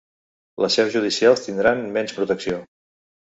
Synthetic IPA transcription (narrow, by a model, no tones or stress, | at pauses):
ləsɛwzʒuð̞isialˠst̪ind̪ɾanmɛnspɾut̪əksio